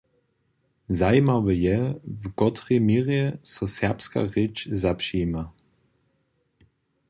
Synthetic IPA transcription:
zajmavəjɛvɡɔt̪rɛmiʁjɛsɔsɛpska̰ʁet͡ʃzapʃima

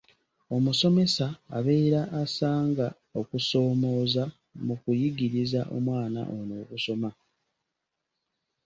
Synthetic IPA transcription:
o̞muso̞me̞sa̰ːβe̞ːɾaʔːsaːŋɡa | okuso̞ːmo̞ːza | mukujiɡiɾizaʔo̰mwaːna̰ʔono̞ːɡuso̞ma

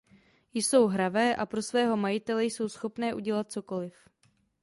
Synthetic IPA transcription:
jso̞wɦɾavɛːʔapɾo̞svɛːɦo̞majɪt̪ɛlɛjso̞wsxo̞pnɛːʔuɟɛlat̪̚t͡so̞ko̞lɪf

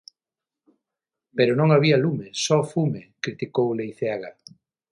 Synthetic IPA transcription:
peɾʊnõŋaβialumesɔfumekɾit̪ikowlejθeaɣa

